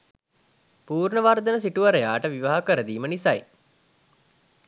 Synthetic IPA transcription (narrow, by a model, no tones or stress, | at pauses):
puːrɳəʋaɾd̪ənəsiʈuʋaɾejaːʈəʋiʋaɦakəɾəd̪iːmənisaj